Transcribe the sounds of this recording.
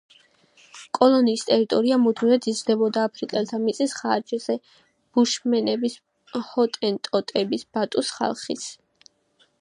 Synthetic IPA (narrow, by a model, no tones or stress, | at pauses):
kʼɔlˠɔniːst̪ʼɛɾit̪ʼɔɾiamud̪mivɛt̪ʰizd̪ɛbɔd̪aːpʰɾikʼɛlt̪ʰamit̪sʼisχaɾd͡ʒɛzɛ | b̥uʃmɛnɛbis | hɔt̪ʼɛnt̪ʼɔt̪ʼɛbisb̥at̪ʼusχa̰lˠχḭsʰ